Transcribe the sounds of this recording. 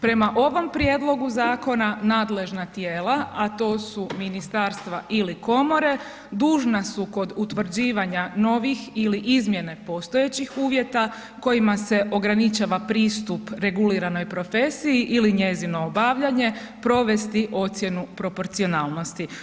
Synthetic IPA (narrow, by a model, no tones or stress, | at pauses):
pɾe̞maʔo̞ʋo̞mpɾje̞d̪lˠo̞ɡuzaːko̞nanaːd̪le̞ʒnat̪jeːlaat̪o̞ːsuminist̪aːɾst̪ʋaʔiliko̞mo̞ɾe̞ | d̪uːʒnasuko̞d̪ut̪ʋr̩d͡ʑiːʋaɲano̞ʋixiliʔizmje̞ne̞po̞st̪o̞je̞t͡ɕixuːʋje̞t̪a | ko̞jimase̞ʔo̞ɡɾanit͡ʃaːʋapɾiːst̪upɾe̞ɡuliɾano̞jpɾo̞fe̞sijiʔiliɲe̞zino̞ːbaʋʎaɲe̞ | pɾo̞ʋe̞st̪iʔo̞t̪sje̞nupɾo̞po̞ɾt̪sio̞naːlˠno̞st̪i